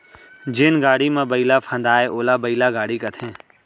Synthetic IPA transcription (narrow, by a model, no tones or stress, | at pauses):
d͡ʒɪnɡaːɽimẽbəilapʰə̃nd̪aːeʔoːlaːbəilaɡaːɽikɐt̪ʰẽː